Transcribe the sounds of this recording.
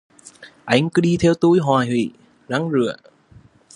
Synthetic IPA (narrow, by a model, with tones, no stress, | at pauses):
ʔa˧˩jŋ̟kɨ˨˧˦ɗi˧t̪ʰɛ˧wt̪u˧˥jɦwaː˨˩jhwḭ˧˩˨ | za˨˧˦ŋzɨ˨˧˩ə